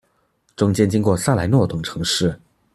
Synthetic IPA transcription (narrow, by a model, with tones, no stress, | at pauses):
ʈ͡ʂʊ˥ŋt͡ɕjɛ˥nt͡ɕi˥nkwɔ˥˧sa˥˩la˧˥ɪnwɔ˥˩t̪ɤ˨˩ŋʈ͡ʂʰɤ˧˥ŋʂɻ̩˥˩